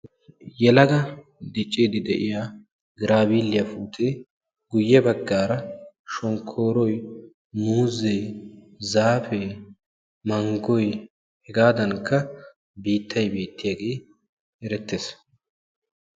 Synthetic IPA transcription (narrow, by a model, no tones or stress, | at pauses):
jɛlɐɡɐ | d̪ɪt͡ʃʼːiːd̪ɪd̪ɛʔɪjaː | ɡɪɾʔaːbiːlːɪjɐfuːt̪ʰe | ɡʊjːɛbɐɡːaːɾɐ | ʃɔŋkʰːoːɾɔj | nuːzɛj | zaːfɛ | mɐŋɡɔj | hɛɡaːd̪ɐŋkʰːɐ | biːt̪ʰːɐjbiːt̪ːɪjaːɡeː | ɛɾɛt̪ːeːs